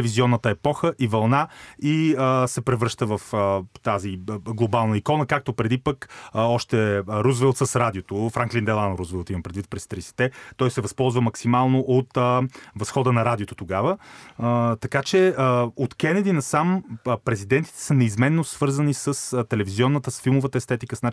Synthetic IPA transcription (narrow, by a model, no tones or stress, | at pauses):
ɛviziɔnːət̪əɛpɔxəʔivɐlˠnaiəsɛpɾɛvɾɤʃt̪əvɐfət̪aziɡlˠobalˠnəikɔnəkak̚t̪opɾɛd̪ipəkɔʃt̪ɛɾuzvɛlˠt̪səsɾad̪iot̪ofɾaŋklind̪ɛlˠanɾuzvilˠt̪iməpɾɛd̪vit̪pɾɛst̪ɾisi̥t̪ɛt̪ɔjsɛvɐspɔlˠzvəmɐksimalˠnoʔot̪əvɐsxɔd̪ənɐɾad̪ʲiot̪ot̪oɡavəət̪ɐkat͡ʃɛəot̪kɛnɛd̪inɐsampɾɛzid̪ɛnt̪i̥t̪ɛ̥sənɛizmɛnːosvɤɾzənisəst̪ɛlɛviziɔnːət̪əsfilˠmovət̪əɛst̪ɛt̪ikəsnat͡ʃ